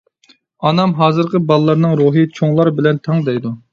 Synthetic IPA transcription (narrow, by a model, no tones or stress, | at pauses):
ɑnɑmɦɑːzɨɾqʰəbɑlˠlˠːɑɾnɨŋɾuɦɨt͡ʃʰoŋlˠɑɾbɪlɛnt̪ʰɑŋd̪ɛjd̪u